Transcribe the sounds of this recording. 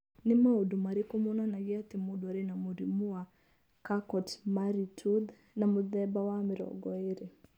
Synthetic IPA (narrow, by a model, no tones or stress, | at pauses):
nimɛudumaɾikumɔnanaɡiat̪imudwaɾinamuɾimua | kakɔtmaɾitʰud | namuðɛbawamiɾɔ̰ɡɔiɾɛ